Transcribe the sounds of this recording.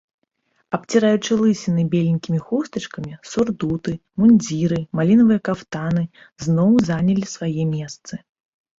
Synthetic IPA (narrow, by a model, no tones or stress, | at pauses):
ɐp̚t͡sʲiɾajut͡ʂɨlˠɨsʲinɨbʲelʲinʲkʲimʲixust̪ɐt͡ʂkɐmʲisurd̪ut̪ɨmunʲd͡zʲiɾɨmalʲinɐvɨjɐkawt̪anɨ | znɔwzanʲɐlʲisvajɛmʲɛst̪sɨ